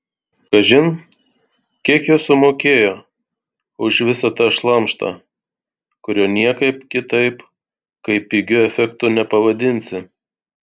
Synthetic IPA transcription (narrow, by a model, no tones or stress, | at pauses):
kɐʒʲɪn | kʲiɛkjoːsʊmoːkʲeːjoː | ʊʃʋʲɪsɐt̪ɑʃlˠɐmʃt̪ɑ̰ː | kʊɾʲoːnʲiɛkɐɪpkʲɪt̪ɐɪp | kɐɪpʲɪɡʲʊɛfʲɛkt̪ʊnʲɛpɐʋɐd̪ʲɪnʲsʲɪ